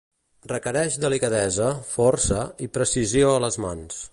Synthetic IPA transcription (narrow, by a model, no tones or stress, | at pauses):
rəkəɾɛʃd̪əlikəðɛzəfɔrsəipɾəsizioələzmans